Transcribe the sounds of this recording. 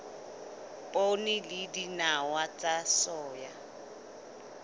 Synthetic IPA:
pʼonɪlɪdinawat͡sʼasɔːja

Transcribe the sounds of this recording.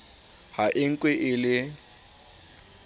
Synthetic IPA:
haʔɪŋ̩kʼweʔɪlɪ

